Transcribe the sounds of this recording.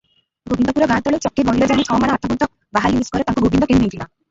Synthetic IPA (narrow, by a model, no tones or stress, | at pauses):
ɡobind̪ɔpuɾɔɡãt̪ɔɭet͡ʃɔkːibʱɔɦiɾɔd͡ʒaɽit͡ʃʰɔɔmaɽ̃aɾt̪ʰɔbɔnt̪ɔk | baɦalimiskɔɾet̪ãŋkuɡubind̪ɔkind̪ĩnt̪ʰila